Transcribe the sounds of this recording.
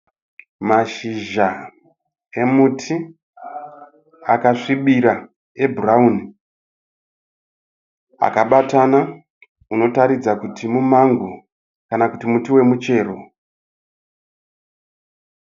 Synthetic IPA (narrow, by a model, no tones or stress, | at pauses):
maʃiʒa | e̞mutʰi | akaʂiɓiɾa | e̞burauni | a̰kaɓatana | uno̞taɾid͡zakutʰimumaŋɡu | kanakutimutiwe̞mut͡ʃe̞ːro̞